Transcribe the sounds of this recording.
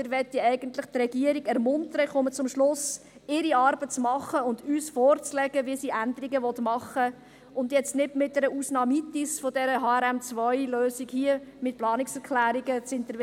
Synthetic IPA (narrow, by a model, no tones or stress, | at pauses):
əɾʋɛtːiɛɪɡənt̪lɪχt̪ɾɛɡiəɾiɡɛɾmʊntəɾəχʊmət͡sʊmʃlʊs | ɪɾiɑɾb̥ət͡smɑχːəʊndyːsfɔːɾt͡slɛɡəʋiəsiʔænd̪əɾiɡəʋɔt̪mɑχə | ʔʊndjɛt͡stnɪdmɪt̚dɛɾəuːsnɑːmit̪isfodɛɾəɦɑːɛɾɛmt͡svœjløːsikhiəmɪt̚plɑːnɪksɛɾkʰlæːɾiɡət͡sɪnt̪əɾ